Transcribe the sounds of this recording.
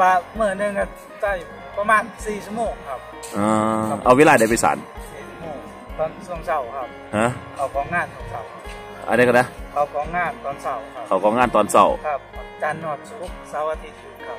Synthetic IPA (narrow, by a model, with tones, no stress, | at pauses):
waː˧mɯː˧˩˨nɯ˧˨ŋka˧˩ | sa˧˩j | pa˧maː˧˥˨nsiː˨˩si˧˥moː˧˩ŋkʰa˧˩p̚ | ʔaː˧ʔa̰˧weː˧laː˧˩da˧˩pa˧˨sa̰ː˨˦nsiː˨˩si˧˩moː˧˩ŋ | t̪ɔː˧˩nsu˧˩əŋsa˧˩wkʰa˧˩p̚ha˧˥kʰa˧˩wkʰɔː˨˦ŋŋaː˧˥˨nsʰuː˧˨ŋsa˧˩wkʰa˧p̚ | ʔa̰˧˩da˧˩ka˧˩na˧˥˨kʰa˨˩wkʰɔː˨˧˦ŋŋaː˧˩˨nt̪ɔː˨˩nsa˧˩˨wkʰa˧˩kʰa˨˧˩wkʰɔː˧˦ŋaː˧˥˨nt̪ɔː˨˩nsa̰˧˩wkʰa˧˩p̚t͡ɕaː˧˥nːu˧˩ət̪̚su˧ʔu˧˥p̚saː˧˦wa˧t̪ʰi˧˩t̪̚i˧kʰa˧˩